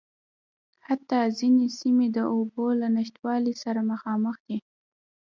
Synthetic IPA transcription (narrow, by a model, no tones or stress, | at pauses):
hat̪ːɑzinesimed̪əʔobolanɪʃt̪wɑlisaɾaməxɑməxd̪̥i